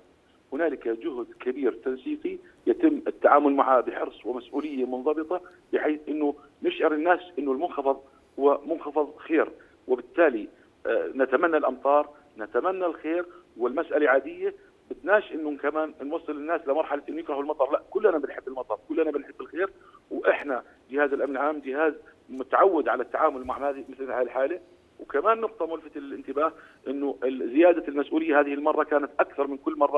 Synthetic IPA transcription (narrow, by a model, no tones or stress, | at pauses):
hʊnaːlɪkad͡ʒʊhd̪kɪbiːɾt̪ɑnsiːqi | jat̪ɪmːɪt̪ːaʕaːmʊlmaʕabɪħɪɾsˤwɪmasʔuːlɪjːamʊnðˤɑbɨt̪ˤɑbɪħeːθʔɪnːʊ | nɪʃʕɑɾɪnːaːsʔɪnːʊlmʊnxɑfɑðˤ | hʊwːamʊnxɑfɑðˤxeːɾ | wɪbɪt̪ːaːli | nat̪amanːalʔɑmt̪ˤɑːɾˤ | nat̪amanːalxeːɾwɪlmasʔalaʕaːd̪ɪjːa | bɪt̪naːʃʔɪnːʊkamaːnnwɑsˤːɨlɪnːaːsʔɪlamɑɾˤħalaʔɪnːʊjɪkɾɑhʊlmɑt̪ˤɑɾˤlaʔkʊlːʔanabɪnħɪbːɪlmɑt̪ˤɑɾˤkʊlːʔanabɪnħɪbːɪlxeːɾwʔɪħna | d͡ʒɪhaːzɪlʔamnɪlʕaːmd͡ʒɪhaːzmʊt̪aʕawːɪd̪ʕalat̪ːaʕaːmʊlmaʕhaːðimɪθlhaːɪlħaːle | wkamaːnːʊq̚t̪ˤɑmʊlfat̪ɪlʔɪnt̪ɪbaːh | ʔɪnːʊɪzɪjaːd̪almasʔuːlɪjːahaːðɪhɪlmɑrˤːɑkaːnat̪ʔakθɑɾˤmɪnkʊlːmɑrˤːɑ